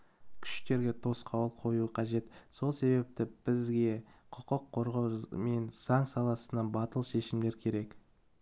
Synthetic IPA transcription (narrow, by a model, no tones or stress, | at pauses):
kʲʰʏ̥ʃt̪e̞ɾɡʲe̞t̪ʰo̞sqʰɑwəlˠqʰo̞juəqʰɑʒe̞t̪so̞lˠse̞be̞p̚t̪ɪb̥ɪzɡʲe̞qʰʊqəqʰːo̞ɾʁɑwme̞nz̥ɑŋsɑlˠɑsənɑnbɑt̪əlˠʃe̞ʃɪmd̪e̞ɾkʲʰe̞ɾe̞k